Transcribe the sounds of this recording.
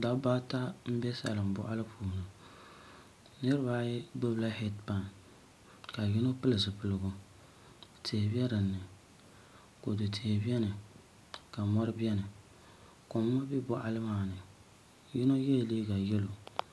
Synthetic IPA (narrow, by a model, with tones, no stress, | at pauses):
da˨˦ba˦ta˦m̩˦bɛ˦sa̰˨lɨ˨m˨bʊ̰˦ʔa˦lɨ˦pʰuː˨nɨ˨ | nɨ˦ɾɨ˦ba˦jɛ˦bo˦bla˦hɛ˦tpa˨n | ka˨jɪ˦no˦pɨ˦lɨ˨zɨ˨pɨ˨lɨ˨ɡʊ˦ | tʰe˨bi˦ɛ˦ɾɨ˨nːɨ˨ | ko˨dɨ˨tʰe˨bi˦ɛ˦nɨ˨ | ka˨mɔ˦ɾɨ˦bi˦ɛ˦nɨ˨ | ko˨mː˦ɔ˦bi˦bʊ˦ʔa˦lɨ˦maː˦˨nɨ˨ | jɪ˦no˦jɛ˦˨liː˦ɡa˨jɛ˦lo˨